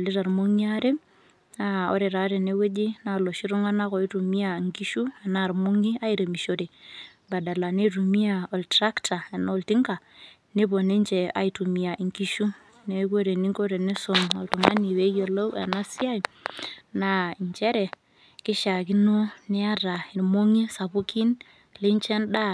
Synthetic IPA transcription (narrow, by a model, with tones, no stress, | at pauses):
li˦ɾa˨ɾmo˦ŋiaɾe˦ | ao̰˦ɾe˨ɾa˨ɾe˨ne˦we˦d͡ʒi˦na˦lo˨ʃi˦ɾu˦ŋa˦na˦ko˨i˦ɾu˨mi˦a˨ŋki˦ʃu˦a˨na˦˨ɾmo˦ŋi˦a˦i˦ɾe˨mi˨ʃo˨ɾe˨ | ba˨da˨la˨ne˦ɾu˨mi˦a˨ɔ˨ltɾa˦kta˨a˨nolti˦ŋka˨ | ne˦bo˨ne˦nt͡ʃɛ˨a̰˨i˨tu˨mi˨a˨ʔi˨ŋki˦ʃu˦ | ne˨˦ko˦ɾe˨ni˦ŋko˦ɾe˨ni˦so˨mɔ̰˨ltu˨ma̰˦ni˨we˦jo˨lo˦wa̰˨na˦si˦a˦jna˦i˨ɲt͡ʃɛ˦ɾɛ˨ | kɪ˦ʃa˨ki˦no˦ni˦a˦ɾa˨i˨ɾmo˦ŋi˦sa˨bu˦ki˦n | li˦nt͡ʃɛ˦nda˦